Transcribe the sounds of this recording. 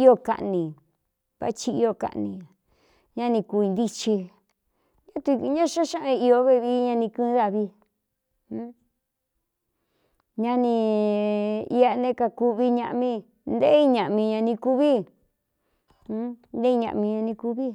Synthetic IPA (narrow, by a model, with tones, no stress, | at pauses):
i˦o˦˧ka̰˧ʔnĩ˨ | βa̰˦t͡ʃi˧i˧o˧˨ka̰˨˧ʔnĩ˧˨ | ɲã˧nĩ˧ku˧i˧nd̪i˧t͡ʃi˧ | ɲã˦t̪u˧ɲã˦ʃã˦ʃã˦ʔã˧i˧o˧βe˦˧βi˧˦ɲã˧nĩ˧kɨ̃˦˧˦ða˧βi˧ | ũ˦ | ɲã˧nĩ˧ | i˧a˧nẽ˦ka˧ku˧βi˧ɲã̰˧ʔmĩ˧ | nd̪e˦i˧ɲã˨ʔmĩ˧ɲã˧nĩ˧ku˧βi˦ | nd̪e˦i˧ɲã̰˧ʔmĩ˧ɲã˧nĩ˧ku˧βi˦